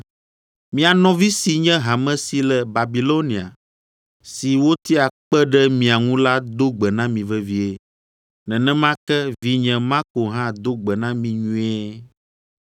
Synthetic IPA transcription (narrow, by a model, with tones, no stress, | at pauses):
mĩ˨a˨nɔ̃˨vi˦si˨ɲɛ̃˦ɦa˨mɛ̃˦si˨lɛ˨ba˨bi˨lo˦nĩ˨a̰˨ | si˨wo˦t̪i˦a˨k͡pɛ˦ɖɛ˦mĩ˨a˨ŋũ˦la˦d̪o˦ɡ͡bɛ˨nã˦mĩ˨vɛ˦vi˦e˦ | nɛ̃˨nɛ̃˦mã˦kɛ˦vi˨ɲɛ̃˨mã˦ko˨ɦã˦d̪o˦ɡ͡bɛ˨nã˦mĩ˦ɲũ˦e˦